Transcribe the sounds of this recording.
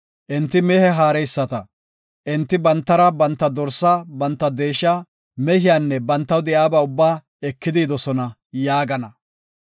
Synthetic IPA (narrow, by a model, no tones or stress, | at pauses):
ʔɪnt̪ːɪmɛhɛɦaːɾɛjsːɐt̪ɐ | ʔɪnt̪ːɪbɐnt̪ːɐɾɐbɐnt̪ːɐd̪ɔɾsːabɐnt̪ːɐd̪eːʃaː | mɛhɪjaːnːɛbɐnt̪ːɐwd̪ɛjaːbɐʊbːaː | ɛkːɪd̪iːd̪ɔsɔnɐ | jaːɡɐnɐ